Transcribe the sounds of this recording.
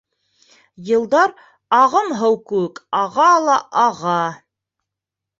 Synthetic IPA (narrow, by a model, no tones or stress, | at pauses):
jɤ̆lˠd̪ɑɾ | ɑʁɤmɦɤwkɘwɘkɑʁɑlˠɑʔɑʁɑ